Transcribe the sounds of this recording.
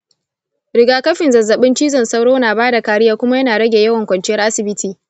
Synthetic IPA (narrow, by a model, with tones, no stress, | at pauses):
ɽɪ˨ɡaː˨kɐ˦ɸɪ˨nzɐ˨zːɐ˨ɓɪ˦nt͡ʃiː˦zɐ˨nsɐ˦wɽoː˦naː˨baː˦da˨kaː˨ɽɪ˦jaː˦kʷʊ˦ma˦jɐ˦naː˨ɽɐ˦ɡʲeː˨jɐ˦wɐ˨ŋkʷɐ˨nt͡ʃɪ˦jɐ˦rʔa˦sɪ˨bɪ˦tʰiː˨